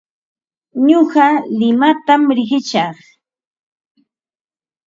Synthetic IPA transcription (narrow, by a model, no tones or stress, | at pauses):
ɲoɢɑlɪmat̪amɾɪɢɪt͡ʃɑχ